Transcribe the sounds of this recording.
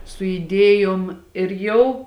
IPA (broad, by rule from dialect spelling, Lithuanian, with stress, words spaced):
sʊ ɪˈdʲeːjoːm ɪr ˈjɛʊ